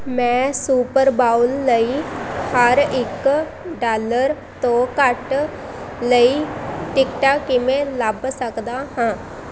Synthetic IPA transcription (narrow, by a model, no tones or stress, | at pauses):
mɛ̃ːsuːpəɾbaːʊlːəiːhəɾɪk | ɖaːləɾ | t̪õːkəʈ | ləiːʈɪkʈaːkːɪmẽːləbsəkd̪aːɦãː